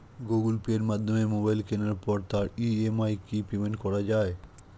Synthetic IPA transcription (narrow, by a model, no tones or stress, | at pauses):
ɡoɡulpieɾmad̪ʱːomemobajlkenaɾpɔɾt̪aɾiemajkipemenʈkɔɾad͡ʑae